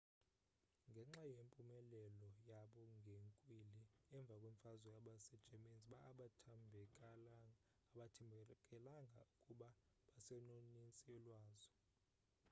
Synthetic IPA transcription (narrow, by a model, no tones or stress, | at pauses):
ŋɡʱɛŋ͡ǁajempʼumɛlɛlɔjaɓɔŋɡʱeŋkʼwiliɛɱb̪vʱakʼweɱfazɔjaɓasɛd̥ʒ̥ʱeminziɓaːɓatʰambʱɛk | ɓatʰɛkʼɛlaŋɡʱa̰ukʼuɓa | ɓasɛnonit͡sʼilwaːzɔ